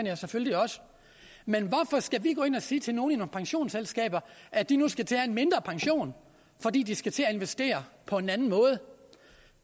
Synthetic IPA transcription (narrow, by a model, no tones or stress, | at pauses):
ænjɑsefølliɒ̽sə̥ | menʋɒfɒ̽sɡ̥æʋiɡ̥ɔ̰ːe̝nɐsiːt͡sʰe̝lno̝ːn̩inopʰɑ̈ŋɕo̝̰ːnselsɡ̥ɛ̰ːb̥ɐʔæd̥inusɡ̥æt͡sʰeæe̝nme̝nd̥ʁɐpʰɑ̈ŋɕo̝̰ːn | fɒ̽d̥ḭːd̥isɡ̥æt͡sʰe̝æe̝nʋesd̥e̝̰ːɐpʰɒ̽e̝nænn̩mɔ̽ːð̞̩ˠə